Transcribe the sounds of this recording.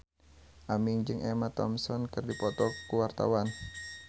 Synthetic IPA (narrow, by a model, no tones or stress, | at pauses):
ʔamiŋd͡ʒɨŋʔɛmat̪ɔmsɔnkɨrdipɔt̪ɔkuwart̪a̰wan